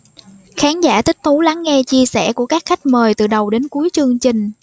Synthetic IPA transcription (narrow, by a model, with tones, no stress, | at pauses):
xaː˨˦nzaː˧˩t̪ï˦˥k̟̚t̪ʰu˨˦la˨˦ŋːɛ˧t͡ɕi˧əsɛ˧˩ku˧˩əkaː˦˥k̚xa˦˥jk̟̚məː˨˩jt̪ɨ̰˨˩ɗə˨˩wɗe˨˦nku˨˦jt͡ɕɨ˧əŋt͡ɕï˨˩ŋ̟